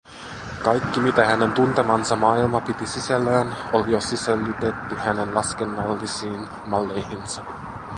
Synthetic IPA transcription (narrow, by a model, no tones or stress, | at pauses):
kɑjkːimit̪æhæne̞nt̪unt̪emɑnsɑmɑːilmɑpit̪isisælːæːnolijo̞siselːyt̪e̞t̪ːyhæne̞nlɑskenːɑlːisiːn | mɑlːe̞jhinsɑ